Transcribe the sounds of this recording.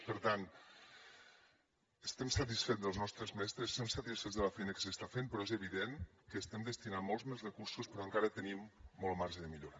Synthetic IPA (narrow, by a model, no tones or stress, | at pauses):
pəɾt̪an | əst̪ɛmsət̪̬isfed͡zðəlznɔst̪ɾəzmɛst̪ɾəsst̪ɛmsət̪isfed͡zðələfɛjnəkə̥səst̪afenpɾɔezəβiðen | kəːst̪ɛmd̪əst̪inanmːɔlˠzmezrəkuɾsuspɾɔəŋkaɾət̪ənimːɔlˠmaɾʒəðəmiʎoɾa